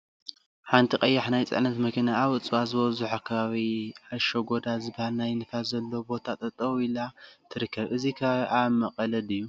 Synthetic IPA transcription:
ħant̪ʰiqʼɐjːaħnajt͡sʼɨ̰ʕnɐt̪mɐkʰinaːβɨt͡sʼɨβazɨβɐzuħakʰɐβaβiaʃoɡo̞d̪azɨbahalnajnɨfalzɐlːobo̞t̪ʰat̪ʼɐt̪ʼɐβilat̪ʰɨɾɨkʰːɐβʔɨzikʰaamɐqʼɐlɐd̪ɨjːu

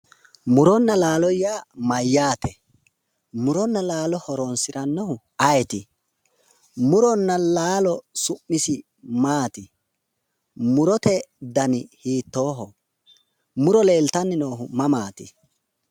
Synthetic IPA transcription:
mʊɾɔnːɐlaːlɔjaːmɐjːaːt̪ɛ | mʊɾɔnːɐlaːlɔhɔɾoːnsɪɾɐnːɔhʊ | ɐjɛt̪ɪ | mʊɾɔnːɐlaːlɔsʊmːɪsɪ | maːt̪ɪ | mʊɾɔt̪ɛd̪ɐnɪhiːt̪ːo̞ːɦɔ | mʊɾɔle̞ːlt̪ɐnːɪnoːɦʊmɐmaːt̪ɪ

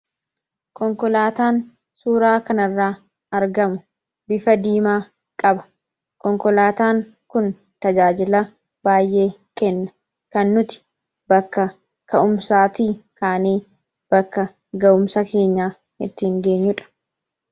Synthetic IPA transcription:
kɔŋkɔlaːt̪aːn | suːɾaːkɐnɐrːaː | ɐɾɡɐmʊ | bɪfɐd̪iːmaː | kʼɐbɐ̥ | kɔŋkɔlaːt̪aːŋ | kʊn | t̪ɐd͡ʒaːd͡ʒɪlɐ | b̥aːjʔe̞ː | kɛnːɐ | kɐnːʊt̪ɪ̥ | bɐkːɐ | kɐʔʊmsaːt̪iːkʰaːniː | b̥ɐkːɐ | ɡɐʔʊmsɐke̞ːɲːaː | hɪt̪ːɪːŋɡeːɲːʊᶑɐ̥

